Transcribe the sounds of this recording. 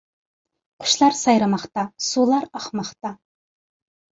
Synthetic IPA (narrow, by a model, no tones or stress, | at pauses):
qʰʊ̥ʃlˠɑɾsɑjɾɨmɑχt̪ɑsulˠɑɾɑχmɑχt̪ɑ